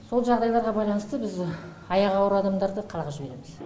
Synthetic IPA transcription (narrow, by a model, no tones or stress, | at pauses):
so̞lˠʒɑʁd̪ɑjlˠɑɾʁɑbɑjlˠɑnəst̪əbɪz | ɑjɑʁɑwɾəɑd̪ɑmd̪ɑɾd̪əqʰɑlˠʁɑʒɪbe̞ɾe̞̰mɪz